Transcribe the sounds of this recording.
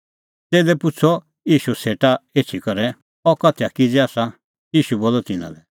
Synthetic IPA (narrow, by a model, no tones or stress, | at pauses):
t̪eːlɛpʊt͡sʰɔ | jiːʃuseːʈaeːt͡ʃʰikɔɾɛ | ɔkɐt̪ʰɛjakid͡zɛaːsa | jiːʃuboːlɔt̪ɪnã̰lɛ